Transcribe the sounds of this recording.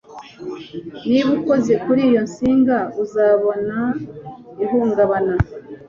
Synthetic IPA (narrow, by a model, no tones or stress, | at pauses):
niβuko̞ze̞kuɾiːjo̞nsiːŋɡauzaβo̞na | ihuːŋɡaβana